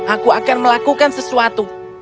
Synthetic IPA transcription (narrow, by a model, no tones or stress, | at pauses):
ʔakuakarməlakukansəsuat̪u